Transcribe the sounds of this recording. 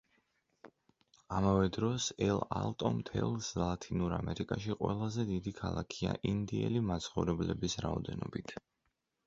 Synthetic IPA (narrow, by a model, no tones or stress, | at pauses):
amavɛd̪ɾɔsɛlˠalˠt̪ʼɔmt̪ʰɛlˠslˠat̪ʰinuɾamɛɾikʼaʃiqʼwɛlˠazɛd̪id̪ikʰalˠakʰia̰ʔind̪iɛlimat̪sʰχɔvɾɛblɛbisɾaɔd̪ɛnɔbit̪ʰ